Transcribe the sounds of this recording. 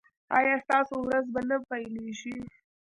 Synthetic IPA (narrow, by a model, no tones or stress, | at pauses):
ɑ̰jɑst̪ɑsowɾazbanapajleʃi